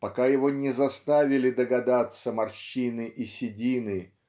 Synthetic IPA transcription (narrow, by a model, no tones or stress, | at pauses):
pɐkajɪvonʲɪzɐst̪avʲɪlʲɪd̪əɡɐd̪at̪səmɐrɕinɨʔisʲɪdʲinɨ